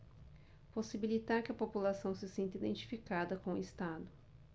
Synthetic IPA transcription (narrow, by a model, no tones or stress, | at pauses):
posibilit̪aɾkɪɐpopulasɐ̃w̃sɪsẽnt̪id̪ẽnt͡ʃi̥fikad̪ɐkõist̪ad̪ʊ